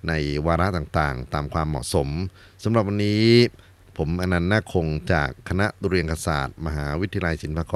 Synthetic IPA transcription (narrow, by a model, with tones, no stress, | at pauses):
na˧jwaː˧ɾa˦˥ʔt̪aː˨˩ŋt̪a̰ː˨˩ŋt̪aː˧mkʰwaː˧mːɔ̰ː˨˩ʔso˩˦m | sa˩˦mɾa˨˩p̚wa˧nːiː˦˥ | pʰo˩˦mʔa˧na˧nːaː˥˩kʰo˧ŋt͡ɕa̰ː˨˩kʰːa˧na˦˥ʔu˧ɾi˧ənkʰa˧sa̰ː˨˩t̪̚ma˧ɦaː˩˦wi˦˥t̪ʰi˧ja˧la˧jsi˩˦npʰaː˧kɔː˧